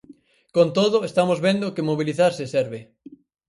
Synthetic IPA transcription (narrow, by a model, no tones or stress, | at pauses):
kont̪oðʊest̪amozβend̪okɪmoβ̞iliθaɾsɪsɛɾβɪ